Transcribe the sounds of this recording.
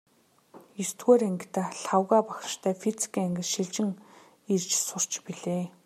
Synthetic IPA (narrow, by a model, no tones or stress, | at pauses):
jist̪ɡoːɾæŋɡ̆ʰt̪ăɬawɣaːpakʃt̪ʰæːfit͡si̥kiːŋæŋɡʲɘ̆sʃiɮt͡ɕɪ̆ŋ | irt͡ɕsʊr̥t͡ɕpiɮeː